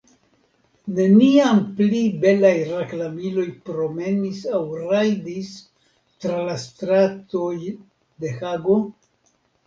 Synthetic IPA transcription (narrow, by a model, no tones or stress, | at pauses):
ne̞niamplibe̞lajraklamilo̞jpɾo̞me̞nisawɾajdis | tɾalastɾato̞j | de̞xaɡo̞